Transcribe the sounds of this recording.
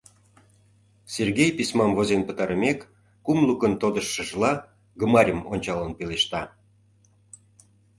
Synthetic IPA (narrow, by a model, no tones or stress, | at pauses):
serɣejpismɑmvozʲenpət̪ɑɾəmekː | umlukənt̪od̪əʃːə̆ʒlɑ | ɡə̆mɑɾʲəmonʲt͡ɕɑlənpeleʃt̪ɑ